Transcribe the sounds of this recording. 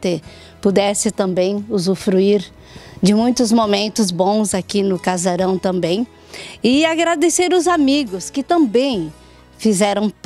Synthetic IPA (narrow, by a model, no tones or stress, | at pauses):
t̪e | pud̪ɛsɪt̪ɐ̃mbẽj̃ʊzufɾuiɾ | d͡ʒɪmũj̃t̪ʊzmomẽnt̪ʊzbõw̃zakinʊkazaɾɐ̃w̃t̪ɐ̃mbẽj̃ | ɪaɡɾad̪eseɾʊzamiɡʊskɪt̪ɐ̃bẽj̃ | fizɛɾɐ̃w̃t